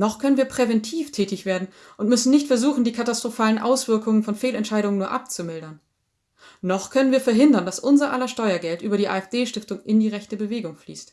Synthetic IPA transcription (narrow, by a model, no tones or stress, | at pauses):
nɔχkʰœnənviːɐpʁ̥evɛntʰiːftʰɛːtɪçv̥eːɐdn̩ | ʔʊntmʏsn̩nɪçtfɛɐzuːχn̩diːkʰatastʁ̥ofaːlənʔa̰ʊsv̥ɪɐkʊŋənfɔnfeːlɛntʃaɪɾʊŋənuːɐʔa̰p̚t͡sumɪldɐn | nɔχkʰœnənviːɐfɛɐɦɪndɐndasʔʊnzɐʔalɐʃtɔʏɐɡɛltʔyːbɐɾiːʔa̰ːɛfd̥eːʃtɪftʊŋɪndiːʁɛçtəbəveːɡʊŋflḭːst